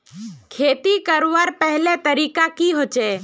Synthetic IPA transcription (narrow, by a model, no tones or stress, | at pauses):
kʰeːt̪ikəɾaɾpɛɦlẽt̪əɾiːkakiɦoːt͡ʃe